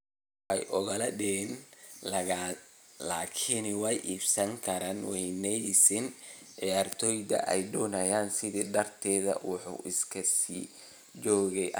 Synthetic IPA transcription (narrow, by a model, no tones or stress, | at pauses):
ɛ̰jʔʊɣɐlɐdɪnlɐɣa | laːkʰɪnwɛjʔiːbsɐŋkʰɐɾaːnwɛjnɛjsɪn | ʔijaːrt̪ʰɔːjd̪ɐ̰ʔɛ̰jd̪ɔːnɐjaːnsɪðiːɖɐrt̪ʰɛːðɐ̰wʊħṵːʔɪskʰɐsḭː | d͡ʒɔːɣɛj